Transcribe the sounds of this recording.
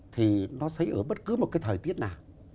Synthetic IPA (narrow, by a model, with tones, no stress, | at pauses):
t̪ʰi˨˩nɔ˨˦sə˨˦jʔəː˧˩ɓə˦˥t̚kɨ˨˦mo˨˩t̚kaː˨˦jt̪ʰəː˨˩jt̪i˦˥ət̚naː˨˩w